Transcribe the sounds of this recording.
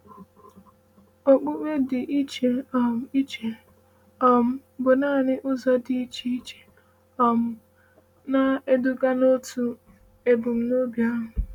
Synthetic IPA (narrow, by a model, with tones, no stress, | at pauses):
o˨k͡po˦k͡pʷe˦dɪ˨ʔi˦t͡ʃe˨ɔ˨m̩˨i˦t͡ʃe˨ | ɔ˦m̩˦bʊ˨naː˦˨nɪ˦ʔʊ˦zɔ˦dɪ˦i˦t͡ʃe˦i˦t͡ʃe̥˨ | ɔ˨m̩˦ | na˦e˦dʊ˦ɡa˦no˦tʰu˦ | e˨bʊ˨m̩˦no˦bja˦ɦʊ˨